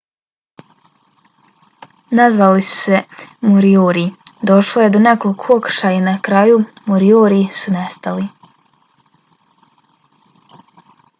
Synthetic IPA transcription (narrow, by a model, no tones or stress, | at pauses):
nazʋalisu̥se̞moɾioːɾid̪o̞ʃlˠoje̞d̪one̞kolkʰookɾ̩̥ʃajanakɾaːjumoɾioːɾisune̞st̪ali